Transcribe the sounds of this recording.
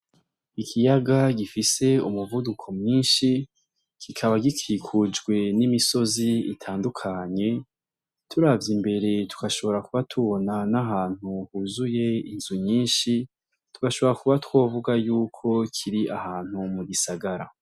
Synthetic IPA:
ikʰijaɡaɡifise̞umuvudukʰo̞mɲiːnʃi | kʰikʰaβaɡikʰikʰud͡ʒɡwe̞nimiso̞ziitʰaːndukʰaɲe̞ | tʰuɾavjimbe̞ɾe̞tu̥kaʃo̞βo̞ɾakuβatʰuβo̞nanaɦaːn̥huhuzuje̞inzuɲiːnʃi | tuɡaʃo̞βo̞ɾakuβatwo̞ːvuɡajuːkʰo̞kʰiɾiʔahaːn̥humuɡisaɡaɾa̰

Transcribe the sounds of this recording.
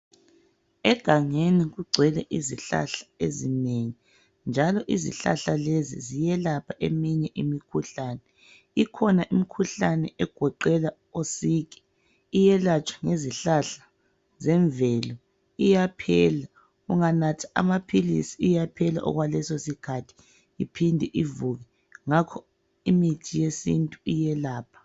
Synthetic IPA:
ɛɡ̥ʱaŋeniɣuɡ͡ǀʱwɛlɛʔiziɬa̰ɬḁezineŋi | nd͡ʒʱalɔʔizḭɬa̰ɬalezḭzijɛlapʰaʔemiɲɛʔimikʰuɬanɛ | ikʰɔnaʔimikʰuɬanɛʔɛɡ̥ʱɔǃɛla | osiːkɛ̥ | ijɛlat͡ʃʰwḁŋeziɬaɬḁ | zɛɱvɛlɔ | ijapʰɛːla | uŋanatʰḁʔa̰mapʰilisiːjapʰɛla̰ʔɔ̰ɣwalɛsosikʰatʰi̥ | ipʰindʱɛʔivuɣɛ | ŋakʰɔ | imitʰijesintʼuijɛlaːpʰḁ

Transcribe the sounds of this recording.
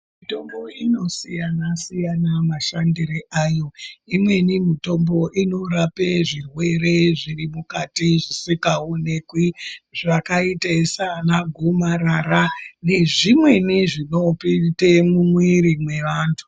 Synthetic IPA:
mito̞mbo̞ino̞sijanasijanamaʃandireʔajo̞imwe̞nimito̞mbo̞ʔino̞rapeʐirwe̞ɾe̞ʐirimukatiʐisikaone̞kwiʐakaitesanaɡʱomaɾarane̞ʐimwe̞niʐino̞pitemumwiɾimwe̞ʋaːntʰu̥

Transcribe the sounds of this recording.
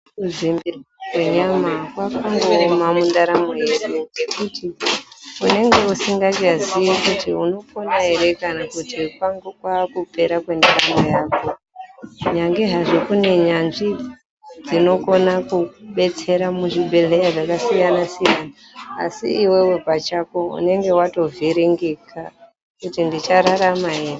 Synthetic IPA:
uzimbiraweɲamakwakoŋɡomamundaɾamojeɾuɡe̞kuti | une̞ŋɡe̞usiŋɡakazijikutiuno̞ponaɦeɾe̞kanakutikwaŋɡokwakupe̞ɾakwe̞ndaɾamojaːko | ɲaŋɡeɦaʐikune̞ɲanʐi | d͡zino̞ko̞nakuɓe̞t͡se̞ɾamuʐibʱe̞le̞jaʐakasijanasijana̰ː | sḭːwe̞we̞kwat͡ʃako̞ṵne̞ŋɡe̞wato̞vʱiɾiŋɡikʰa | kutindit͡ʃaɾaɾamaɦeːre

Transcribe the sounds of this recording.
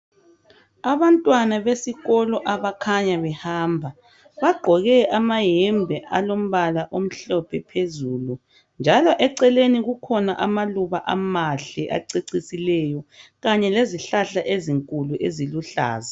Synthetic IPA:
aβantʼwanaβesiɣɔlɔʔaβakʰaɲaβɛhaːmbʱa | βaɡ͡ǃʱɔɣɛʔamajɛmbʱɛʔalom̩βalaʔom̩ɬɔpʰɛpʰezuːlu | nd͡ʒʱalɔʔɛǀɛleniɣukʰɔnaʔamaluβaʔa̰maɬɛʔa̰ǀiǀisilɛjɔɣaɲɛleziɬaɬaʔeziŋkʼuluʔeziluɬa̰ːza

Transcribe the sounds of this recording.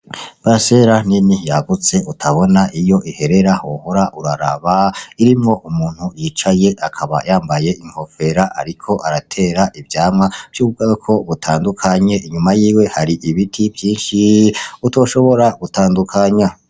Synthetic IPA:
b̥ase̞ɾaninijaɡut͡se̞ʔutʰaβo̞naʔijo̞ʔihe̞ɾe̞ɾahoho̞ɾaʔuɾa̰ɾa̰βaiɾimŋo̞ʔumuːn̥hujiːt͡ʃaje̞ʔakʰaβa̰jaːmbaje̞ʔiŋho̞fe̞ɾaʔa̰ɾikʰo̞ʔaɾatʰe̞ːɾaʔivjaːmŋwavjuːβɡakʰo̞βutʰaːndukʰaɲe̞ʔiɲumajiːwe̞haɾiʔiβitʰivjiːnʃiuto̞ːʃo̞βo̞ɾaɡ̥utaːndukʰaɲa

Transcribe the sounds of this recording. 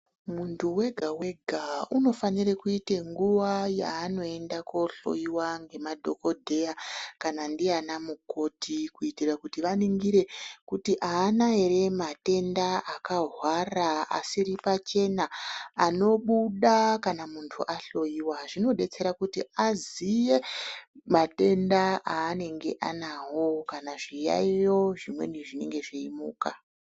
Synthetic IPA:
muntʰuwe̞ɡʱawe̞ɡʱauno̞fanirekuite̞ŋɡuʋaja̰ːno̞e̞ndako̞ɬo̞̰jiwaŋɡe̞madʱo̞ko̞dʱe̞jakanandianamuko̞tʰikuitirakutiʋaniŋɡiɾe̞kutiʔaːnaeɾemate̞ndaakaɦwaraa̰siɾipat͡ʃe̞naːno̞ɓuɗakanamuntʰuʔaɬo̞iwaʐino̞ɗe̞t͡se̞ɾakutiazije̞mate̞ndaʔaːne̞ŋɡe̞ʔanaɦo̞kanaʐija̰ijo̞ʐimwe̞̰niʐine̞ŋɡe̞ʐiimṵːka

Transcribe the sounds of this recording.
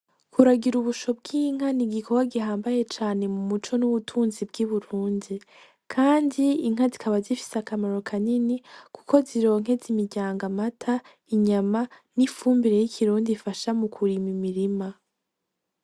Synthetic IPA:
kʰuɾaɡiɾuβuʃo̞b̚ɡiːŋ̥haniɡikʰokaɡiɦaːmbaje̞t͡ʃaːne̞mumut͡ʃo̞nuβutʰuːnzibɡiβuɾuːndi | kʰaːndiiŋ̥azikʰaβazifi̥sakamaɾo̞kʰaninikʰu̥ko̞ziɾo̞ːŋ̥ɦe̞zimiɟaːŋɡamatʰa | iɲamanifuːmbiɾe̞jikʰiɾuːndifaʃamukʰuɾimimiɾima

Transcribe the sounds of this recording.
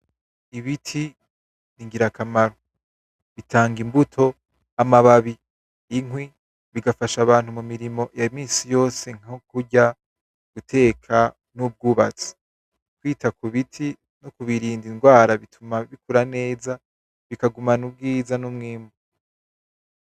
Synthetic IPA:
iβitʰi | niŋɡiɾakamaɾo | βitʰaːŋɡimbutʰo̞ | amaβaβiː | ŋwi | βiɡafaʃaβaːn̥humumiɾimo̞jamiːsijo̞ːse̞ŋ̥okuɟa | ɡ̥utʰe̞ːkʰa | nub̚ɡuːβat͡si̥ | kwiːtakuβitʰi | nokuβiɾiːndinɡwaːɾaβitʰumaβikuɾane̞ːza | βikaɡumanub̚ɡiːzanumŋiːmu

